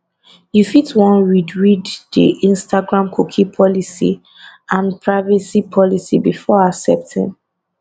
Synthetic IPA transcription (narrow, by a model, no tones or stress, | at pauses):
jufitwɔ̃nɹidɹiddḭʔĩnstaɡɹãmkʰukʰipʰɔlisḭ | ãnpʰɹaɪvisipʰɔlisibifɔasɛ̰p̚tʰḭ̃n